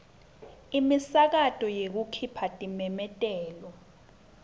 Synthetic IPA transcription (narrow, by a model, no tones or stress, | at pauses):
imisak̬atʼɔjek̬ukʰipʰatʼimɛmɛtʼɛːlɔ